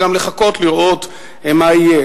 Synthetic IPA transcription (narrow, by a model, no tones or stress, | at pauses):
amle̞χako̞t̪liʁʔo̞t̪ | emaije